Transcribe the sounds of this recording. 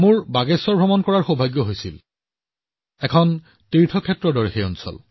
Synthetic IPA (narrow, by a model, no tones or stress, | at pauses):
muɹbaɡɛsɔɹbʱɹɔmɔnkɔɹaɹxobʱajɡjɔɦojsḭl | ɛkʰɔn | tiɹtʰɔkʰɛtːɹɔdɔɹexeɔnsɔ̰l